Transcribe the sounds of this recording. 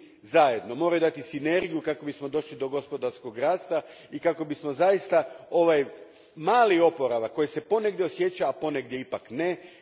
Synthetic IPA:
zaje̞d̪no̞mo̞ːɾajud̪at̪isine̞ɾɡijukako̞bismo̞d̪o̞ʃlid̪o̞ɡo̞spo̞d̪aɾsko̞ɡɾaːst̪aikako̞bismo̞zajist̪ao̞ʋaj | maːlio̞po̞ɾaʋakːo̞jese̞po̞neɡdjeo̞sje̞t͡ɕaːpo̞neɡd̪ʲje̞ipakne

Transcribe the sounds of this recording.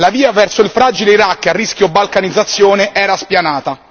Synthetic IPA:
laviːavɛrsoilfɾaːd͡ʒileiɾakːarːisk̟jobːalkanid̪zːat̪sːjoːneʔɛːɾaspjanaːt̪a

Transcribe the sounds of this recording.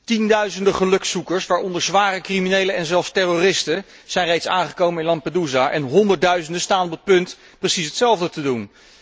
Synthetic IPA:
tindœɥzəndəχəlɵksukəɹsʋaːɹɔndəɹzʋaːrəkriminejləɛnzɛlˠfstɛrorɪstə | z̥ɛjnrejtsaːŋχəkowmənɪnlɑn̚paduzaʔɛ̰nɦɔndəɹ̚dœɥzəndəstaːnɔpət̚pɵnt | prəsisɦətsɛlˠvdətədun

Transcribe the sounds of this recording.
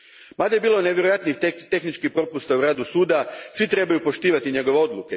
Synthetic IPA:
mad̪ajebiːloneʋʲjeɾojat̪nixt̪e̞xnit͡ʃkixpɾo̞pust̪auɾaːd̪usuːd̪asʋit̪ɾe̞bajupo̞ʃt̪iːʋat̪iɲe̞ɡo̞ʋeo̞d̪luke

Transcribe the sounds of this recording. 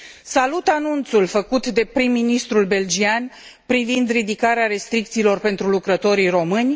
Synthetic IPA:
salut̪anunt̪sulfəkut̪d̪e̞pɾimːinist̪ɾulbe̞ld͡ʒian | pɾivind̪rid̪ikaɾeaɾe̞st̪ɾik̚t̪siːlo̞rpe̞nt̪ɾulukɾət̪o̞ɾijro̞mɨnʲ

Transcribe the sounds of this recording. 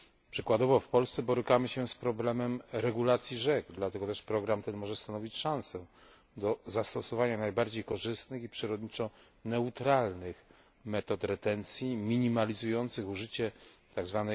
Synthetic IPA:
pʂɘkwad̪ɔvɔfpɔlst̪sɛbɔɾɘkamɘɕɛspɾɔblɛmɛmɾɛɡulat̪sʲjiʐɛkd̪lat̪ɛɡɔt̪ɛʂpɾɔɡɾamt̪ɛnmɔʐɛst̪anɔvʲit͡ɕʂãñsɛ | d̪ɔzast̪ɔsɔvaɲanajbaɾd͡ʑejkɔʐɘst̪nɘxipʂɘɾɔd̪ɲit͡ʂɔ | nɛut̪ɾalnɘx | mɛt̪ɔt̪ɾɛt̪ɛnt̪sʲjimʲiɲimalʲizujɔnt̪sɘxuʐɘt͡ɕɛ | t̪aɡzvanɛ

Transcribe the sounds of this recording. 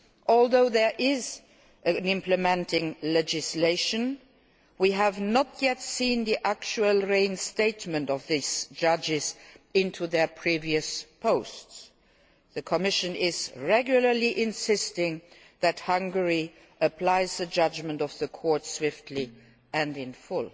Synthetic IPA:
ʔɔlˠðoʊðə˞ʔɪz | ʔɨnɪ̃mpləmɛ̃ntɪ̃ŋlɛd͡ʒɪsleɪʃə̃n | wiəvnətʰjɛtsĩnðiʔæk̚t͡ʃuəlˠɹẽɪ̃nsteɪtmə̃ntʌvðisd̥d͡ʒ̥ʌd͡ʒɪzɪ̃ntʰuðə˞pʰɹ̥iviɨspʰoʊsts | ðɨkʰəmɪʃɨ̃nɪzɹɛɡjʊlˠə˞liʔɪ̃nsɪstɪ̃ŋ | ðɨt̚hʌ̃ŋɡə˞i | ʔəpʰl̥aɪzðɨd͡ʒʌd͡ʒmə̃ntʌvðəkʰɔɹtswɪftʰli | ɨ̃ndɪ̃nfʊl

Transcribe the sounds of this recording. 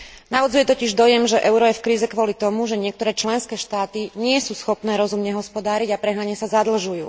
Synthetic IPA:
naʋɔd͡zujɛt̪ɔciʒd̪ɔjɛmʒɛʔɛʊɾɔjɛfkɾiːzɛkʋɔlit̪ɔmuʒɛɲɪɛk̚t̪ɔɾɛːt͡ʃlɛnskɛːʃt̪aːt̪iɲɪɛsuːsxɔpnɛːɾɔzumɲɛɦɔspɔd̪aːɾiɟapɾɛɦnaɲɛsazad̪l̩ʒujṵː

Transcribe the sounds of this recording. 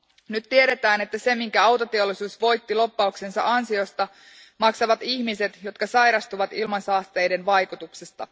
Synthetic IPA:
nyt̪t̪ieɾe̞t̪æːne̞t̪ːæse̞miŋkæɑwt̪o̞t̪e̞o̞lːˑisuːsʋo̞jt̪ːilo̞pːɑukse̞nsɑ̰ʔɑnsio̞st̪ɑ | mɑksɑʋɑt̪içmise̞t̪jo̞t̪kɑsɑjɾɑst̪uʋɑt̪ilmɑnsɑːst̪e̞jde̞nʋɑjkut̪uksest̪ɑ

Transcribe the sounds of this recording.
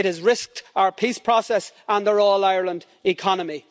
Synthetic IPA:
ɪɾɪzɹɪsk̚taʊə˞pʰispʰɹ̥ɔsɛsə̃nðəɹɔːlaɪəɹlə̃nd | ɪkʰɑnəmi

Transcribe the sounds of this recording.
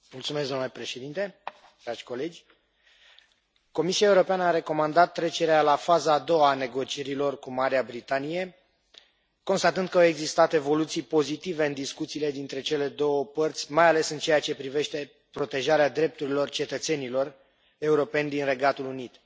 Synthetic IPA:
mult̪sumes̬zd̪omnulepɾe̞ʃed̪int̪e̞ | d̪̥ɾad͡ʒʲko̞le̞d͡ʒʲ | ko̞misiaeuɾo̞peanəaɾe̞ko̞mand̪at̪ːɾe̞t͡ʃe̞ɾealafazaːd̪o̞wane̞ɡo̞t͡ʃieɾilo̞rkumaɾeabɾit̪anije̞ | ko̞nst̪at̪ɨnd̪kəawe̞ɡzist̪at̪e̞vo̞lut̪sijpo̞zit̪ive̞ɨnd̪iskut̪siːle̞d̪int̪ɾe̞t͡ʃe̞le̞d̪o̞wəpərt̪sʲmajale̞sɨnt͡ʃe̞jat͡ʃe̞pɾive̞ʃt̪e̞ | pɾo̞t̪e̞ʒaɾead̪ɾe̞p̚t̪uɾilo̞rt͡ʃe̞t̪ət̪se̞nilo̞r | e̞uɾo̞pe̞nʲd̪inre̞ɡat̪ulunit̪

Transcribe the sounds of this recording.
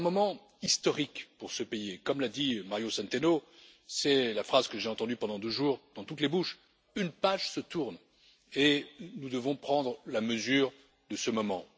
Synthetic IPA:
ɛ̃mɔmɑ̃ | ist̪ɔʁikpuʁsəpejekɔmlad̪imaʁjosɛ̃nt̪eno | sɛlafχazkəʒeɑ̃t̪ɑ̃d̪ypɑ̃d̪ɑ̃d̪øʒuʁd̪̥ɑ̃t̪ut̪lebuʃ | ynpaʒsət̪uʁn | enud̪əvɔ̃pχɑ̃d̪ʁlaməzyʁ | d̪əsəmɔmɑ̃

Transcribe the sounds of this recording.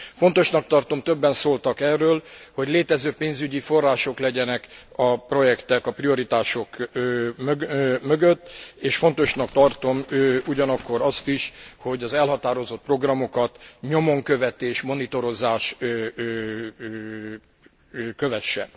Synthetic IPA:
font̪o̞ʃnɒk̚t̪ɒrt̪o̞mt̪ø̞bːɛnsoːlt̪ɒkɛrːøːlho̞ɟleːt̪ɛzøːpeːnzyɟifo̞rːaːʃo̞klɛɟɛnɛkɒpro̞jɛkt̪ɛkɒprio̞ɾit̪aːʃo̞kː | ømøɡøt̪ːeːʃfo̞nt̪o̞ʃnɒkt̪ɒrt̪o̞mːuɟɒnɒkːo̞ɾɒst̪iʃho̞ɟɒzɛlɦɒt̪aːɾo̞zo̞t̪̚pro̞ɡrɒmo̞kɒt̪ɲo̞moŋkøvɛt̪eːʃmo̞nit̪o̞ɾo̞zaːʃ | køvɛʃːɛ̰n

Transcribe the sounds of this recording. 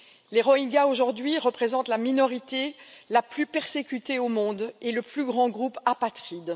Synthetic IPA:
leʁɔĩɡaoʒuʁd̪ɥiʁəpχezɑ̃t̪laminɔʁit̪elaplypɛʁsekʲyt̪eomɔ̃d̪eləplyɡʁɑ̃ɡʁupapat̪χid̪

